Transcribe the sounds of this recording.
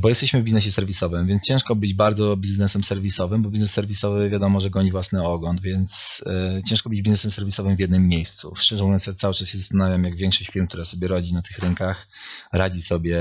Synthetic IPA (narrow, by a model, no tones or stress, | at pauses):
bɔjɛst̪ɛɕmɘvbʲiznɛɕ̬ɛsɛɾvʲisɔvɘmvʲjɛnst͡ɕɛ̃ʂkɔbɘd͡ʑbaɾd̪zɔbʲiznɛsɛmsɛɾvʲisɔvɘmbɔbʲiznɛsːɛɾvʲisɔvɘvʲjad̪ɔmɔʐɛɡɔɲivwasnɘɔɡlɔnd̪vʲjɛnt̪st͡ɕɛ̃ʂkɔbɘd͡ʑbiznɛsɛmsɛɾvʲisɔvɘmvjɛd̪nɘmːʲjejst̪sṵfʂɛʐɛnɛsɛt̪sawɘt͡ʂasɕɛzast̪anavʲjamjaɡvʲjɛ̃ŋkʂɔɕt͡ɕfʲiɾmkt̪uɾasɔbʲjɛɾɔd͡ʑinat̪ɘxɾɛŋkax | ɾad͡ʑisɔbʲjɛ